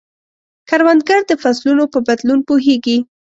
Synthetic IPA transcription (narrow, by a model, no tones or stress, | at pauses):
kaɾwand̪ɡaɾd̪əfaslunopəbad̪lunpoɦeɡi